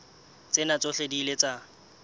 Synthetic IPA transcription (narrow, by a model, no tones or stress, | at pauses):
t͡sʼɪnat͡sʼʊɬedilet͡sʼa